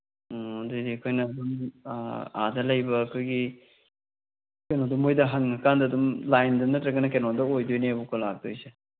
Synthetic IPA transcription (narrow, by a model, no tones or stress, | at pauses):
odujdikʰojnɐːdum | a̰dɐlɐjbɐːkʰojɡi | kenodumojdɐɦɐŋɐkandɐːdumlajndɐnɐtɾɐɡɐnɐkenɔdɐojdojneɐbukʰolak̚d̥ojse